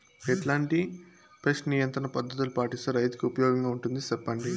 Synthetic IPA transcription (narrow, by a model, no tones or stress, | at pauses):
eʈlaːɳʈi | pɾesʈnijɐnt̪ɾɐɳɐpɐd̪ʱːɐt̪̬ulupaːʈist̪ɐɾɐjt̪u̥kiupɐjɔːɡɐŋɡaːuɳʈund̪isɐpːɐɳɖi